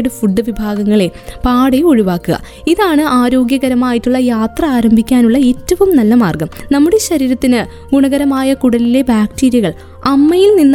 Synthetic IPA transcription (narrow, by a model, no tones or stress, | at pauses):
ɽefuɖːɨʋibʱaːɡɐŋːɐɭe̞paːɽeo̞ɻuʋaːkːuɣɐ̰ | iðaːɳɨaːɾo̞ːɡjɐɣɐɾɐmaːjitːuɭːɐjaːt̪rɐaːɾɐmbʱikʲːaːnuɭːɐe̞ːtːɐʋumnɐlːɐmaːrɡɐmnɐmːuɽe̞ɕɐɾiːɾɐt̪ːinɨ | ɡuɳɐɣɐɾɐmaːjɐkuɽɐlile̞baːkʈiːɾjɐɣɐɭ | ɐmːɐjilninː